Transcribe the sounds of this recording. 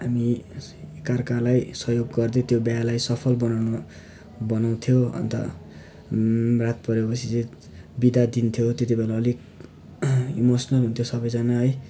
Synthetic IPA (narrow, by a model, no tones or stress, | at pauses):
ɦami | karkalajsʌɦjoɡɡʌrd̪et̪jobjalajsʌpʰʌlbʌnawnʌ | bʌnaw̃t̪ʰjoʌ̰nt̪ʌ̰ | rat̪̚pʌɾepʌsʰit͡se | bid̪ad̪int̪ʰjot̪et̪ibelaʌlik | imosʌnʌlɦunt̪ʰjosʌbʌjd͡zanaɦʌj